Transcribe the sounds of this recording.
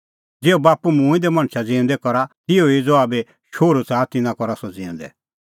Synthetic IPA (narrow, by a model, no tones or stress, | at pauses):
d͡zeːobaːpumũːĩd̪ɛmɐ̃ɽ̃t͡ʃʰad͡zĩːʊ̃nd̪ɛkɔɾat̪ɪoid͡zoaːbe | ʃoːɾut͡saːt̪ɪnãkɔɾasɔd͡zĩːnd̪ɛ̰